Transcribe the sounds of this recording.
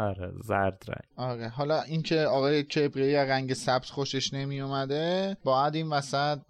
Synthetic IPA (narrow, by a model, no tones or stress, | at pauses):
ɒɾḛzæɾd̪ɾæ̰ŋ̥ɒɾeɦɒːlɒːʔincʰe̞ɒːɣɒːjecʰe̞bɾejæɾæŋɟe̞sæbt̪xoʃe̞ʃne̞mijumæd̪ebɒːjæd̪iːnvæsæt̪̚